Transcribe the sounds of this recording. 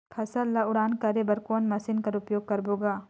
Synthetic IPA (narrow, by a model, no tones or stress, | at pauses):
pʰɐsəlːaʊɽaːnkɐɾebɐɾkoːnmɐsɪnkɐɾʊpjoːɡ̚kɐɾboːɡaː